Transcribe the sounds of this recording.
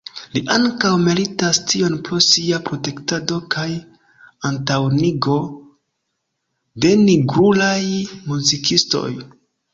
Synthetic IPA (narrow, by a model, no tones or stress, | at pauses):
liʔaŋkawmelitastio̞npɾosiapɾo̞te̞ktado̞kʰaj | antawniɡo̞ | de̞niɡɾulajmuzikʰisto̞̰j